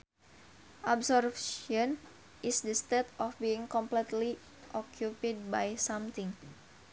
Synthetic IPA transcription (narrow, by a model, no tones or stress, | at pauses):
ʔɔbsɔrfʃɔn | ʔɪsdəst̪et̪ɔfbiɪŋkɔmplɛt̪li | ʔɔkʰjupid̚bajsamt̪ɪŋ